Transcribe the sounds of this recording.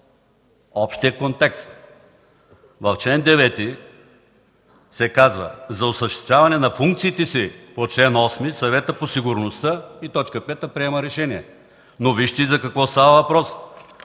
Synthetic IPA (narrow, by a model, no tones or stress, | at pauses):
ɔpʃt̪iəkont̪ɛkst̪ | vɐft͡ʃlɛnd̪ɛvɛt̪i | sɛkazvə̰zɐʊsəʃt̪ɛ̥st̪ʲavɐnɛnɐfuŋk̚t̪siːt̪ɛsipot͡ʃlɛnɔsmisɐvɛt̪əposiɡʊɾnost̪əit̪ɔt͡ʃkəpɛt̪əpɾiɛməɾɛʃɛniɛ | noviʃt̪izɐkɐkvɔst̪avəvɐpɾɔs